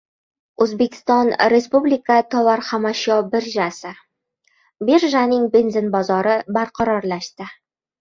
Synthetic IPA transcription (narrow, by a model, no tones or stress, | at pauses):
ɵzbekʲɪ̥st̪ɒnɾʲespublʲikat̪ʰɒvaɾχamɑɕɒbɪɾʒasɪ | beɾʒanɪŋbenzɪnbɒzɒɾəbæɾqʰɑɾɒɾlæʃt̪ɪ